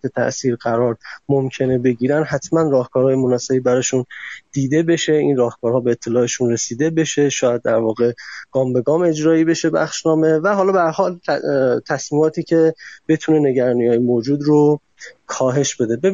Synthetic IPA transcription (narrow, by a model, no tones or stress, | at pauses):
et̪ʰæ̰ʔsiːɾɡæɾɒːɾmomcʰe̞ne̞be̞ɟiːɾænd̪ɦæt̪ʰmænrɒːhkʰɒːɾhɒːjemonɒsebibæɾɒːʃund̪̥iːd̪e̞be̞ʃe̞inrɒːhkʰɒːɾhɒːbe̞ːt̪ʰːe̞lɒːeʃunre̞siːd̪e̞be̞ʃe̞ʃɒːjæd̪̚ːæɾvɒːɣe̞ɡ̥ɒːmbe̞ɡɒːme̞d͡ʒɾɒːiːbe̞ʃe̞bæ̰xʃnɒːme̞væɦɒːlɒːbeæɾhɒːlt̪ʰæsmiːmɒːt̪ʰiːcʰe̞b̥e̞t̪ʰune̞ne̞ɟæɾɒːnijɒːjemoːd͡ʒuːd̪ɾo | kʰɒːɦe̞ʃbe̞d̪e̞be